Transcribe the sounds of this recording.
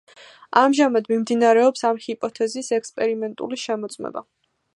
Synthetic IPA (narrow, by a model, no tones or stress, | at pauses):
amʒamad̪mimd̪inaɾɛɔpsamhipʼɔt̪ʰɛzisɛkspʼɛɾimɛnt̪ʼṵliʃɛmɔt̪sʼmɛ̰ba̰